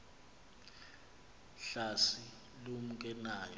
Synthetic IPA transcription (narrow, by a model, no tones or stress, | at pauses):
ɬasi | lomuk̬ʼɛnaːjɔ